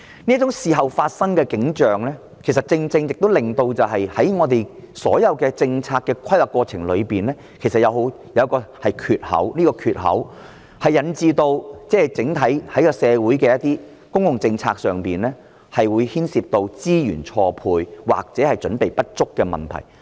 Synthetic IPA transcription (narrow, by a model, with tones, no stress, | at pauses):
niː˥tt͡ʃʊ˨˥ŋsiː˨˧ɦɐ˨˩wfaː˧t̚sɐ˥ŋkɛː˧kɪ˨˥ŋt͡ʃœː˨ŋlɛː˥ | kʰe˨˩js̬ɐ˨t̚t͡sɪ˧ŋt͡sɪ˧ŋjɪ˨k̚t̪o˥wlɪ˨ŋt̪o˧wt͡sɐ˨wɦɐ˨jhɐ˨˥jŋɔː˨˧t̪e˨jsɔ̰ː˨˥jɐ˨˧wkɛː˧t͡sɪ˧ŋt͡sʰaː˧kːɛː˧kʰɐ˥jwɐː˨˩kːɔː˧t͡sʰɪ˨˩ŋlɵ˨˧ɥpiː˨˩nlɛː˥kʰe˨˩sɐ˨t̚jɐ˨˧wɦo˨˥w | jɐ˨˧wkɔː˧hɐ˨jkʰyː˨t̚hɐ̰˨˥wniː˥kɔː˧kʰyː˨t̚hɐ̰˨˥w | hɐ˨jːɐ˨˥nt͡siː˧t̪o˧wt͡sɛː˥hɛ˨˩jt͡sɪ˨˥ŋt̪ʰɐ˨˥jhɐ˨˥jkɔː˧sɛː˨˧wuː˨˥jkɛː˧jɐ˥t̪iː˥ | kʊ˥ŋjʊ˨˩ŋt͡sɪ˧ŋt͡sʰa̰ː˧k̚sœː˨˩ŋpiː˨nlɛː˥ | hɐ˨jwuː˨˧jhiː˥nsiː˧p̚t̪o˧wt͡siː˥jy̰ː˨˩nt͡ʃʰɔː˧pʰuː˧jwa̰ː˨k̚t͡sɛː˨˥hɐ˨jt͡ʃɵ˨˥npe˨jpɐ˥t̚t͡sʊ˥kːɛː˧mɐ˨nt̪ʰɐ̰˨˩j